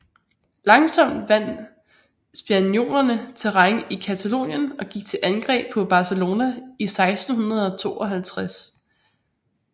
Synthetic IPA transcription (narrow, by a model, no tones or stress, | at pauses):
lɑ̈ŋsɒ̽m̰d̥ʋæn̰ | sb̥ænjo̝̰ːnɐnət͡sʰe̝ʁɑŋʔikʰæt͡sʰælo̝̰ːnjənɒ̽ɡ̥iɡ̥̚t͡sʰe̝ʔænɡ̥ʁɛ̰ːb̥̚ʰɒ̽b̥ɑ̈səlo̝ːnæisɑ̈ɪsd̥n̩ɦunɐð̞ˠɒ̽t͡sʰo̝̰ːɒ̽ɦælt͡sʰʁas